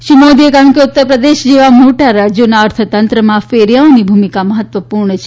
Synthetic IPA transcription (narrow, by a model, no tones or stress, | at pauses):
ʃimad̪ʱiekaɾənkeut̪ːəɾpɾəd̪eʃd͡ʒeʋamoʈaɾad͡ʒjonaəɾt̪ʰət̪ənt̪ɾəmãfeɾjaonibʱumikaməɦət̪ʋəpuɾɳət͡ʃʰe̥